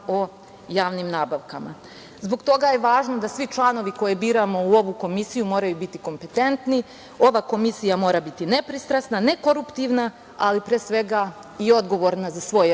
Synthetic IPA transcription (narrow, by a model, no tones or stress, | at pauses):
o̞ | jaːʋnimnaːbaʋkama̰ | zbo̞ɡt̪o̞ɡaje̞ʋaːʒnod̪asʋit͡ʃlˠaːno̞ʋiko̞jebiːɾamo̞uo̞ʋuko̞misijumo̞ːɾajubit̪iko̞mpe̞t̪e̞nt̪ni | o̞ʋako̞misijamo̞ːɾabit̪ine̞pɾist̪ɾasnane̞ko̞ɾupt̪iʋna | alipɾeːsʋe̞ɡa | io̞d̪ɡo̞ʋo̞ɾnazasʋo̞j